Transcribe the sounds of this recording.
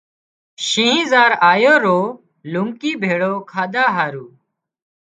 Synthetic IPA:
ʃĩːĩːzaːɾaːjoːɾoː | lũŋkiːbʱeːɽoːkʰaːd̪aːɦaːɾuː

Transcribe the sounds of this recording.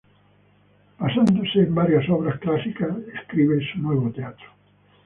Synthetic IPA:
basand̪oseːmbaɾjasɔβɾasklasikaseskɾiβesunwɛβot̪eat̪ɾo̥

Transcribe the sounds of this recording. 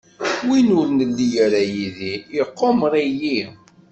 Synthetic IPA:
winʊɾnəld̪ijəɾæjiðiiqːomɾˤiji

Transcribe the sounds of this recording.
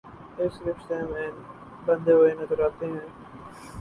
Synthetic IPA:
ɪsɾɪfʃt̪ẽmẽː | bɐ̃nd̪eːʋoːenəzəɾaːt̪eɦɛ̃ː

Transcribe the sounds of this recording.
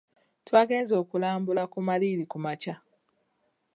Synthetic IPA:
twaːɡe̞ːnzo̞ːkulaːmbulakumaliɾikumaca

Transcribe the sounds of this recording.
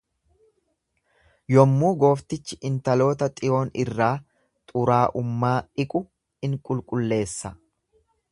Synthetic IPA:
jɔmːuːɡo̞ːft̪ɪt͡ʃːɪʔɪnt̪ɐlo̞ːt̪ɐt̪ʼɪo̞ːnɪrːaː | t̪ʼʊɾaːʔʊmːaːᶑɪkʼʊ | ɪŋkʼʊlkʼʊlːe̞ːsːɐ

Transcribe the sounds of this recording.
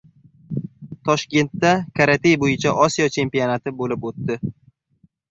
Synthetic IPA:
t̪ʰɒʃkʲe̞nt̪ːakʰaɾat̪ʰejbojɪt͡ʃʰaʔɒsijɒt͡ʃʰe̞mpijonat̪ʰɪbolɪpot̪ːɪ

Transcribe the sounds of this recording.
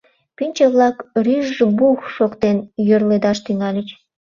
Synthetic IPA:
pynʲt͡ɕəβlɑkryʒʒbuxʃokt̪enjørled̪ɑʃt̪yŋɑlʲət͡ɕ

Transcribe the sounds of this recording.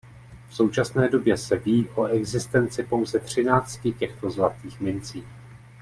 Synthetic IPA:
fso̞wt͡ʃasnɛːdo̞bjɛsɛviːʔo̞ɛɡzɪst̪ɛnt͡sɪpo̞wzɛt̪r̝̥ɪnaːt͡st̪cɪcɛxt̪o̞zlat̪iːxmɪnt͡siː

